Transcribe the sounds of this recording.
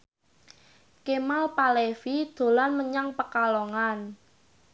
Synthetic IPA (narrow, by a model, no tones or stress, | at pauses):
kemalpalefid̪̥o̤lanməɲaŋpəkalɔŋan